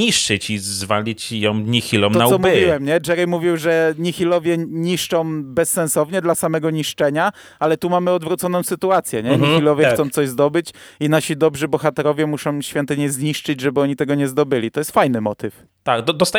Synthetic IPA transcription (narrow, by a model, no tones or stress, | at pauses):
iʂt͡ʂɘt͡ɕizvalʲit͡ɕjɔ̃w̃ɲixʲilɔ̃mɔaɔmuwɛmɲɛd͡ʐɛɾimuvʲiwʐɛɲixʲilɔvʲjɛɲiʂt͡ʂɔ̃w̃bɛsːɛ̃nsɔvɲɛd̪lasamɛɡɔɲiʂt͡ʂɛɲa | alɛt̪umamɘɔd̪vɾut̪sɔnɔ̃w̃sɘt̪uat̪sʲjɛɲɛɲixilɔvʲjɛtsɔ̃w̃t̪sɔʑzd̪ɔbɘt͡ɕinaɕid̪ɔbʐɘbɔxat̪ɛɾɔvʲjɛmuʂɔ̃w̃ɕfʲjɛnt̪ɘɲɛzɲiʂt͡ʂɘd͡ʑʐɛbɘɔɲit̪ɛɡɔɲɛzd̪ɔbɘlʲit̪ɔjɛst̪fajnɘmɔt̪ɘf | t̪aɡd̪ɔd̪ɔst̪a